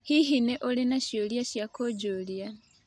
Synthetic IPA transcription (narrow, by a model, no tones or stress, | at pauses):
hiɦineʔolinaʃjoljaʃjakod͡ʒolia